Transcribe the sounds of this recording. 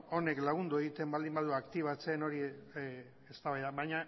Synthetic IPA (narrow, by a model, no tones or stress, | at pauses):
o̞ne̞klaɣ̞und̪ue̞ɣit̪e̞mbald̪imbaðuakt̪iβ̞at͡se̞no̞ɾi | est̪aβajðaβajɲa